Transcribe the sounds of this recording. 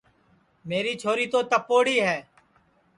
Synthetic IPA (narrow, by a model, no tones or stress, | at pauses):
meːɾiːt͡ʃʰoːɾiːt̪oːt̪əpoːɽiːɦɛː